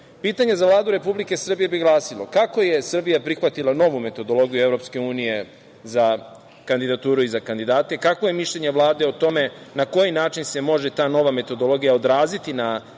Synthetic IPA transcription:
piːt̪aɲezaʋlˠaːd̪uɾe̞publike̞sr̩bije̞biɡlˠaːsilo̰kako̞je̞sr̩bijapɾixʋat̪ilˠano̞ʋume̞t̪o̞d̪o̞lo̞ɡijuevɾo̞pske̞uːnije̞ | za | kand̪id̪at̪uːɾuizakand̪id̪aːt̪e̞kakʋo̞je̞miʃʎe̞ɲe̞ʋlˠaːd̪e̞ot̪o̞me̞nako̞jinaːt͡ʃinse̞mo̞ʒe̞t̪aːno̞ʋame̞t̪o̞d̪o̞lo̞ɡijaod̪ɾaːzit̪ina

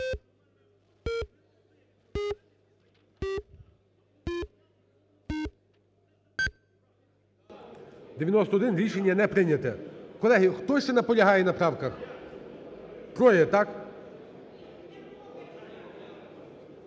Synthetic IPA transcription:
d̪eʋʲjɐnɔst̪ɔɔd̪ɪnɾʲiʃenʲːɐnɛpɾɪnʲɐt̪ɛkɔlˠɛɦɪxt̪ɔsʲɛnɐpɔlʲɐɦɑjɛnɐpɾɑwkɐx | kɾɔjɛt̪ɑk

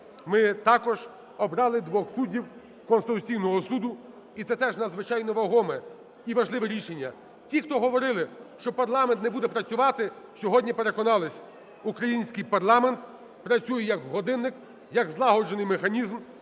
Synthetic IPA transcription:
mɪt̪ɑkɔʒ | ɔbɾɑlˠɪd̪ʋɔxsudʲiw | kɔnst̪ɪt̪ʊt͡sʲijnɔɦɔsud̪ʊ | it̪sɛt̪ɛʒnɐd̪zʋɪt͡ʃɑjnɔʋɐɦɔmɛ | iʋɐʒlˠɪʋɛɾʲiʃenʲːɐ | tʲixt̪ɔɦɔʋɔɾɪlˠɪʃt͡ʃɔpɐrlˠɑment̪nɛbud̪ɛpɾɐt͡sʲʊʋɑt̪ɪ | sʲɔɦɔdʲnʲipeɾe̞kɔnɑlˠɪsʲ | ukɾɐjinʲsʲkɪjpɐrlˠɑment̪ | pɾɐt͡sʲujɛjɐɡɦɔd̪ɪnːɪk | jɐɡzlˠɑɦɔd͡ʒenɪjmexɐnʲizm

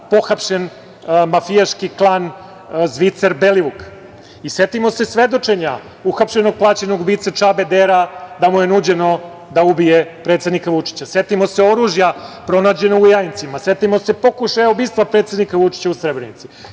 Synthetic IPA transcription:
po̞xapʃen | mafijaʃkiklˠan | zʋit̪seɾbeliʋuk | isʋe̞t̪imo̞se̞sʋe̞d̪o̞t͡ʂe̞ɲa | uxapʃe̞noɡ̚plˠaːt͡ɕe̞no̞ɡubiːt̪sat͡ʂabe̞d̪eɾad̪amuje̞nuːd͡ʑe̞no̞ | d̪aubijepɾe̞ːt̪sed̪nikaʋut͡ʂi̥t͡ɕase̞t̪imo̞seo̞ɾuʒjapɾo̞naːd͡ʑe̞noɡujajint̪simase̞t̪imo̞sepo̞kuʃajobiːst̪ʋapɾe̞t̪se̞d̪nikaʋut͡ʃi̥t͡ɕausɾebɾenit̪si

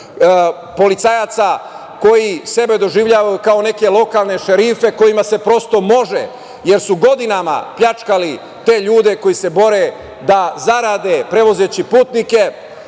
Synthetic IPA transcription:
po̞lit̪sajaːt̪sa | ko̞jise̞be̞d̪o̞ʒiʋʎaːʋajukao̞ne̞ke̞lo̞kalˠne̞ʃeɾife̞ko̞jimase̞pɾo̞st̪o̞mo̞ʒḛ | je̞ɾsuɡo̞d̪inama̰pʎat͡ʃkali | t̪e̞ːʎuːd̪e̞ko̞jise̞bo̞ɾe | d̪azaɾaːd̪e̞pɾe̞ʋozeːt͡ɕipuːt̪nike̞

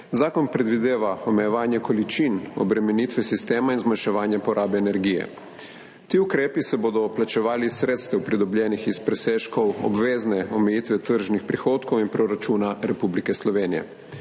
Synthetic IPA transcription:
zaːkɔnpɾɛd̪ʋid̪eːʋaɔmɛjɛʋaːnjɛkɔlit͡ʃinɔ̰bɾɛmɛniːt̪ʋɛsist̪eːmainzmanʃɛʋaːnjɛpɔɾʔaːbɛːnɛɾɡiːjɛ̰ | t̪iːukɾeːpisɛboːd̪ɔplat͡ʃɛʋaːlisɾeːt̪st̪ɛwpɾid̪ɔbljɛːnixispɾɛseːʃkɔwɔ̰bʋeːznɛɔmɛjit̪ʋɛt̪əɾʒnixpɾixoːt̪kowinpɾoɾat͡ʃuːnaɾɛpublikɛslɔʋeːnijɛ̰

